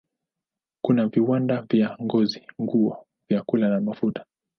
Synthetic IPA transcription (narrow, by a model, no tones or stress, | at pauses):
kunaviwandavjaŋɡɔziŋɡuɔ | vjakulanamafutḁ